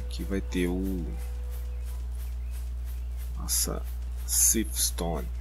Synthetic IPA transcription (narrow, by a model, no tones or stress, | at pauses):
kʰivajt̪eʊ | ɔsɐ̰ | sifst̪õn